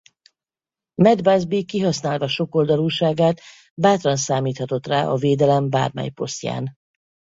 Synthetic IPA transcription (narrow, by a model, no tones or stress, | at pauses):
mɛd̪bazbikiɦɒsnaːlvɒʃo̞ko̞ld̪ɒluːʃaːɡaːt̪ | baːt̪rɒnsaːmiːt̪hɒt̪o̞t̪ra̰ːʔɒveːd̪ɛlɛmba̰ːrmɛ̰jpo̞̰st̪ja̰ːn